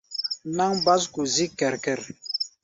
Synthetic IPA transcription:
na˦ŋba˦sku˨zi˦kɛ˨ɾkɛ˨ɾ

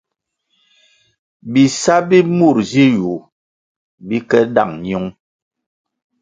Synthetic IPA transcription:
bi˨sa˦bi˦mu˦˨ɾzi˦ju˨ | bi˦kɛ˦da̰˦˨ŋɲ˦u˦ŋ

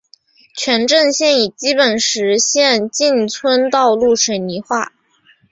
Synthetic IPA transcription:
t͡ɕʰɥɛ˧˥nʈ͡ʂə˥˧ŋɕjɛ˥˩ni˨˩t͡ɕi˥pə˨˩nʂɻ̩˧˥ɕjɛ˥˧nt͡ɕi˥˩nt͡sʰwə˥nt̪ɑ˥˧ʊlu˥˩ʂə˨˩ni˧˥xwa˥˩

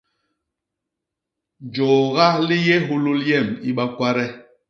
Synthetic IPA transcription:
d͡ʒɔː˨ɣa˦li˦jɛ˦ɦu˦lu˦ljɛ˦˨mi˦ɓa˦kwa˦ɾɛ˦

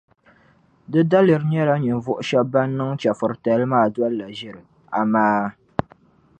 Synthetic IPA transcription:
dɨ˦da˦lɨ˨ɾɲɛ˦la˦ɲɨ˨nvʊ˦ʔʊ˦ʃɛ˦b̚ba˦nː˦ɨ˦ŋt͡ʃɛ˨fʊ˨ɾta˨lɨ˦maː˦˨dwa˦lla˨ʒɪ˦ɾɨ˨ | a˨maː˦

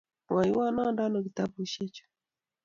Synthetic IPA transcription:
wa˨ji˦wa˦na˦nda˦no˨ki˨ta˦bu˨ʃi˦t͡ʃu̥˨

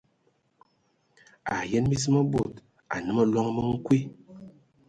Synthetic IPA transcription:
a˨jɛ˦nmi˦zi˦mɔ˦bo˨t | a̰˨nɨ˦mɔ˦lɔ˦ŋ˦mə˦ŋ̩˦kwi˦

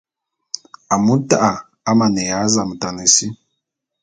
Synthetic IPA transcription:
a˨mu˦tʼa˦ʔa˨ | a˦ma˨nɛ˨ja˨˦za˨mu˨tʼa˨ne˨si˦

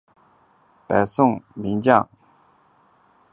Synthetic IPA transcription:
pa˨˩sʊ˥˨ŋmi˧˥ŋt͡ɕjɑ̰˥˨ŋ

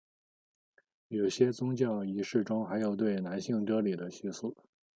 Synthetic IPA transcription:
jo˨˩ʊɕjɛ˥t͡sʊ˥ŋt͡ɕjɑ˥˩ʊi˧˥ʂɻ̩˥˩ʈ͡ʂʊ˥ŋxa˧˥ɪjo˨˩ʊt̪̬we˥˩ɪna˧˥nɕi˥˩ŋʈ͡ʂɤ˥li˨˩d̪ə˦ɕi˥˧su˥˩

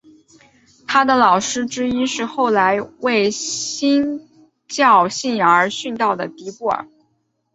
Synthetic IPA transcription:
t̪ʰa˥d̪ə˨lɑ˨˩ʊʂɻ̩˥ʈ͡ʂɻ̩˥i˥ʂɻ̩˥˧xo˥˩ʊla˧˥ɪwe˥˩ɪɕi˥n | t͡ɕjɑ˥˧ʊɕi˥˩njɑ˧ə˧˥ɕy˥˧nt̪ɑ˥˩ʊd̪ə˩t̪i˧˥pwɔ̰˥˩

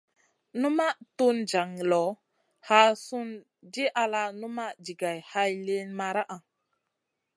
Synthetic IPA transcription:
nu˦ma˦tu˦nd͡ʒa˨ŋ˨lɔ˨ | ha˨˦su˦n | d͡ʒi˦ʔa˧la˦nu˦ma˦d͡ʒi˨ɡa˨jha˦jle˦nma˨ɾa˦ʔa˨ŋ

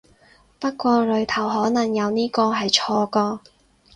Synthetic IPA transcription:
pɐ˥t̚kʷɔː˧lɵ˨˧ɥt̪ʰɐ˨˩wɦɔː˨˥nɐ˨˩ŋjɐ˨˧wniː˥kɔː˧ɦɐ˨jt͡ʃʰɔː˧kɔː˧

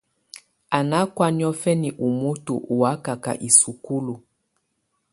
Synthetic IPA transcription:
a˨na˨˦kwa˦ni˦ɔ˦fɛ˦ni˨ʔu˨mu˦tṵ˨ʔu˨wa˦ka˨ka̰˨ʔi˨su˨ku˦lu˨

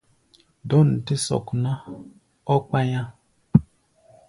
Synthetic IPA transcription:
dɔ˦n̩˨ti˦sɔ̰˨kna˦ | ɔ˦k͡pa˦ɲã˦

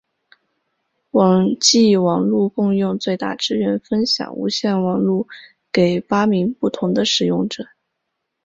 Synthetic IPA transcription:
wɑ˨˩ŋt͡ɕi˥˩wɑ˨˩ŋlu˥˧kʊ˥˧ŋjʊ˥˧ŋt͡swe˥˧ɪt̪a̰˥˩ʈ͡ʂɻ̩˥ɥɛ˧˥nfə˥nɕjɑ̰˨˩˦ŋṵ˧˥ɕjɛ˥˩nwɑ˨˩ŋlu˥˩ | ke˨˩ɪpa˥mi˧˥npu˥˩t̪ʰʊ˧˥ŋd̪ə˧ʂɻ̩˨˩jʊ˥˩ŋʈ͡ʂɤ˨˩˦

